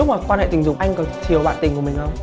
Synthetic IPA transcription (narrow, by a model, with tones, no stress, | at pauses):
k͡p̚laː˨˩kwaː˧nhḛ˧˨t̪ï˨˩ŋ̟zʊ˨˩˦ŋ͡mʔa˧jŋkɔ˨˩˦t͡ɕʰi˨˩əwɓa̰ː˧˨nt̪ï˨˩ŋ̟ku˧˩əmï˨˩ŋə˧